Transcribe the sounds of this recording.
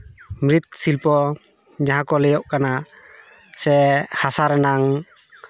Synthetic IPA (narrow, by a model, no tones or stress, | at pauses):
mɾit̪̚silpɔ | ɲaɦãkɔlɛjɔʔkana | sɛhasaɾɛnaŋ